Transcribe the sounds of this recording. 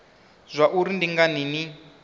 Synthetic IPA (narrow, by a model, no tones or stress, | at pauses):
z̥ʷaʔuɾindiŋɡanini